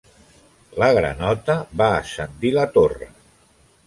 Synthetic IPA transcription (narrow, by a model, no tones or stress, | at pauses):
ləɣɾə̰nɔt̪əβa̰ːsənd̪ilət̪orə̰